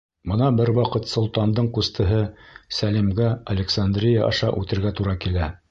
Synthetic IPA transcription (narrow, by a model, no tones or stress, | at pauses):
bɤ̆nɑbɘɾwɑqɤt̪sŏlˠt̪ɑnd̪ɤɴqust̪ɤ̆ɦɤsælimɡæɐlʲeksand̪rʲijaʔɑ̰ʃɑʔʉt̪ɘ̆ɾɡæt̪uɾɑkilæ